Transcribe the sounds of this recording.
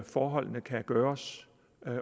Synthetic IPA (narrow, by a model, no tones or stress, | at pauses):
fɒːɦɒ̽l̰nəkʰæɡ̥ɶːɐs